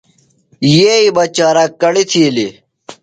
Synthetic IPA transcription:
jeːibɐt͡ɕaːɾakɐɽit̪ʰiːli

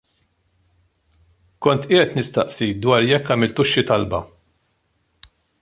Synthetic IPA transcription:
kɔnt̪ɪːʔɛt̪nɪst̪ɐʔsid̪wɐːɾjɛkːɐːmɪlt̪ʊʃːit̪ɐlbɐ̰

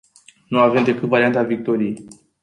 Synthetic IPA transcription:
nuave̞md̪e̞kɨt̪vaɾiant̪avik̚t̪o̞ɾijej

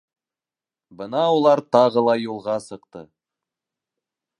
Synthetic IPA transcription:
bɤnɑolˠɑɾt̪ɑʁəlˠɑjulˠʁɑsɤ̆qt̪ɤ̰

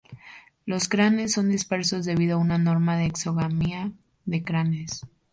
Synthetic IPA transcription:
lo̞skɾane̞sːo̞nd̪ispe̞ɾso̞zðe̞β̞iðoaunano̞ɾmaðe̞ːkso̞ɣamia | ðe̞kɾane̞s

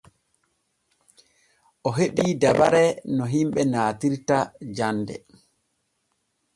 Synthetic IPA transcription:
ʔɔɦeɗidaba̰ɾɛnɔɦimɓɛnaːtiɾtad͡ʒandɛ̰

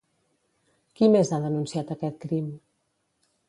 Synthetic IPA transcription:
kimezaðənunsiat̪əkɛt̪̚kɾim

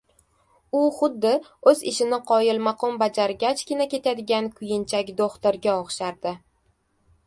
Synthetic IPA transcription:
ʊχʊd̪ːɪɵzɪʃɪnɪqʰɒjɪlˠmaqɒmbad͡ʒaɾɡʲat͡ʃkʲɪnakʲe̞t̪ʰad̪ɪɡʲankʰʊjɪnt͡ʃʰakʲd̪oχt̪aɾɡʲaɒχʃaɾd̪̥ɪ

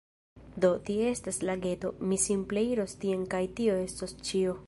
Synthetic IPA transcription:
do̞tiee̞staslaɡe̞to̞misimple̞iɾo̞stie̞nkajtio̞e̞stost͡ʃio̞

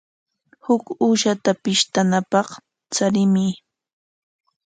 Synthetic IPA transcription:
hʊkuːʃat̪apɪʃt̪anapɑχ | t͡saɾɪmɪ

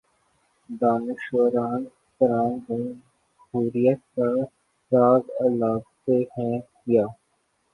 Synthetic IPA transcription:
d̪aːnɪʃoːɾaːn | t̪əɾaːnbɐ̃ | ɦuːɾijət̪̚ka | ɾaːɡəlaːɡt̪ehɛ̃ | jaː

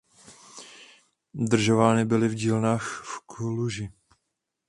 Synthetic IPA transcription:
d̪r̩ʒovaːnɪbɪlɪvɟiːlnaːxfkluʒɪ

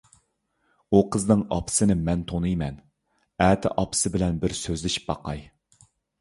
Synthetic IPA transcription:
uqʰəznɨŋɑpʰɨ̥sɨnɪmɛnt̪ʰonɨjmɛn | æːt̪ʰɪ̰ʔɑpɨ̥sɨbɪlɛnbɪɾsøzlɪʃi̥p̚bɑ̰qɑj

